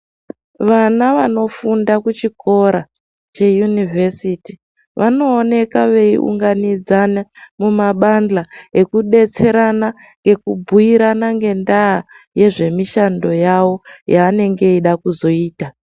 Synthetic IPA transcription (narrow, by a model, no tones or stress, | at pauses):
ʋanaʋano̞fundakut͡ʃiko̞ɾa | t͡ʃe̞junivʱesiti | ʋʔano̞ːne̞kaʋe̞ḭʔṵŋɡanid͡zanemumaɓand͡ɮae̞kuɗe̞t͡se̞ɾana | ŋɡe̞kubʱuiɾanaŋɡe̞ndaː | je̞ʐe̞miʃando̞jawo̞jaːne̞ŋɡe̞iɗakuzo̞iːta